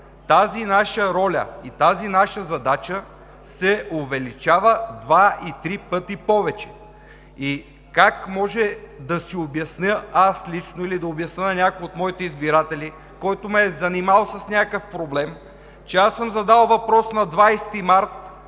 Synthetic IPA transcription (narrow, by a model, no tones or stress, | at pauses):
t̪azinaʃəɾɔlʲə̰it̪azinaʃəzɐd̪at͡ʃə | sɛovɛlit͡ʃavəd̪vait̪ɾipɤt̪ipɔvɛt͡ʃɛ̥ | i | kakmɔʒɛd̪ɐsiobjɐsnʲəaslit͡ʃnoilid̪ɐobjɐsnənɐnʲakojot̪mɔit̪ɛizbiɾat̪ɛli | kɔjt̪omɛzɐnimalˠsəsnʲakəfpɾoblɛm | t͡ʃɛasəmzɐd̪alˠvɐpɾɔsnɐd̪vajst̪imaɾt̪